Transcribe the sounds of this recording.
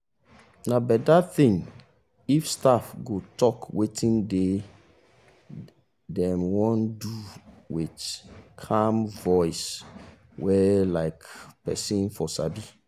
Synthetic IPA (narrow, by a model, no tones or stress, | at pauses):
nabɛdaθĩŋ | ifstafɡotʰɔkwetʰĩnde | dɛ̃mwɔ̃ndu | witkʰãmvɔɪs | wɛlaɪkpɛ̰sĩnfɔsa̰bi